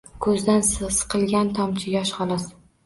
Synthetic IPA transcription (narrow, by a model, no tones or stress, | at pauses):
kʰɵzd̪ansɨsɨ̥qʰɨlˠɡʲant̪ʰɒmt͡ʃʰɪjʲɒʃχɒlˠɒs